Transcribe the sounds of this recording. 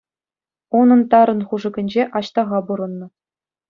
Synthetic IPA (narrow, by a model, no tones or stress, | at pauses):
unɤ̆nt̪ɑɾɤ̆nχuʐɤ̆ɡʲɘ̆nʲd͡ʑeʔɑɕt̪ɑʁɑbuɾɤ̆nːɤ̆